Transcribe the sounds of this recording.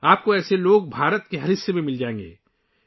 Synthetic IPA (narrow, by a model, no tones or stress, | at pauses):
aːp̚koɛːseloːɡ̚bʱaːɾət̪keɦɐɾɪsːemẽmɪld͡ʒaːẽːŋɡḛː